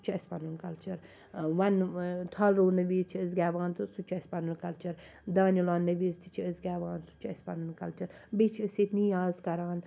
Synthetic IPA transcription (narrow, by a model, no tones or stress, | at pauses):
t͡ʃʰɐsʲpɐnunkɐlt͡ʃɐɾ | ʋɐnt̪ʰɐlɾoːnɐʋiːzt͡ʃʰiəzɡʲɛːʋaːnt̪ʰɨsut͡ʃʰɐsʲpɐnunkɐlt͡ʃɐɾ | d̪aːnʲulaːnːɐʋiːzt̪ʰi̥t͡ʃʰiəzɡʲaːʋaːnsu̥t͡ʃʰɐsʲpɐ̰nunkɐlt͡ʃɐɾbet͡ʃʰɨset̪niːaːzkɐɾaːn